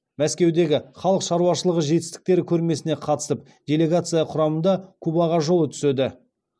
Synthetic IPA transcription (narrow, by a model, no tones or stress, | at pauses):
mæskʲe̞wd̪e̞ɡʲɪχɑlˠəqʃɑɾuwɑʃəlˠəʁəʒe̞t̪ɪst̪ɪ̥k̚t̪e̞ɾɪkʲʰɵɾme̞sɪne̞qʰɑt̪ə̥səp̚ | d̪ʲe̞lʲe̞ɡat̪sɨjaqʰʊɾɑmənd̪ɑkʲʰɵbɑʁɑʒo̞lˠət̪ʰʏ̥sed̪ɪ